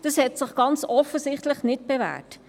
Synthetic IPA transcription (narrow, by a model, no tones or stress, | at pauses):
d̥ɑshɛtsɪχɡ̥ɑnt͡sɔfəsɪχtləχnɪt̚b̥evæ̰ːt